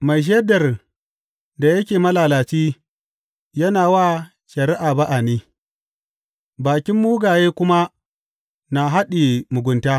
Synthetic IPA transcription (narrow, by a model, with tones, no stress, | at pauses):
ma˨jʃ̬ɐ˦dɐ˨r | da˨jɐ˦kʲeː˨mɐ˦laː˨laː˨t͡ʃiː˦ | jɐ˦naː˨waː˦ | ʃɐ˨ɾɪ˦ʔaː˨ba˦ʔa˨niː˦ | baː˨kʲɪ˦mːuː˦ɡaː˨jeː˦kʷʊ˦ma˦ | na˨ɦa˦ɗiː˨mʊ˨ɡʷʊ˨ntaː˦